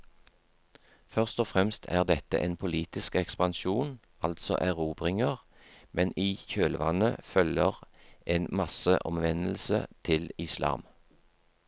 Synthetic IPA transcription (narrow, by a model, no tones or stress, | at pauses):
fœʁst̪ɔfʁɛmst̪ʰæ̰ːʁd̪ɛt̪ə̰ʔeːnpʰʊliːt̪ɪskɛkspɑnʃuːn | ɑlt̪sɔ̰ʔæʁuːbʁɪŋəʁ | mɛniːçøːlʋɑnəfœləʁʔeːnmɑsəʔɔ̰mʋɛnl̩sə̰t̪ʰɪlɪslɑ̰ːm